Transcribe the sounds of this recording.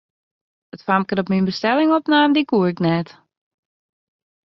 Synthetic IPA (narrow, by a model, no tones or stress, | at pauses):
ətfamkəɾɔpminbəstɛlɪŋɔpnaːmdikuəɪknɛt